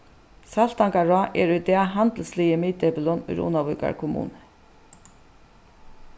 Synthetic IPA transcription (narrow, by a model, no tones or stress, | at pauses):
sal̥t̪aŋkaɹaːʔɛɾʊjt̪ɛaɦant̪əl̩sliːjɪmiːt̪ɛpɪlɔnʊ̰jɾṵːnawvʏ̰ːka̰ɹkʰʊmṵːnɪ